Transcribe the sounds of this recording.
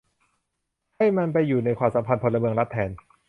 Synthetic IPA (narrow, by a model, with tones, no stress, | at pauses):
ha˥˩jma˧npa˧jːuː˨˩na˧jkʰwaː˧˩sa˨˦mpʰa˧npʰo˧nla˧mɯ˧əŋla˦˥t̪ʰːɛː˨˦n